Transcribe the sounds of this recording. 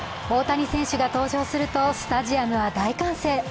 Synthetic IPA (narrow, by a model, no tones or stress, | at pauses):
o̞ːt̪aɲ̟isẽ̞ɰ̃ɕɨɡat̪o̞ːʑo̞ːsɨɾɯ̟t̪o̞sɨ̥t̪aʑiamɯ̟βad̪aikãɰ̃se̞ː